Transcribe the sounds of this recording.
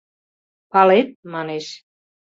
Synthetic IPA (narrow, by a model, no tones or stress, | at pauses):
pɑlet̪̚mɑneʃ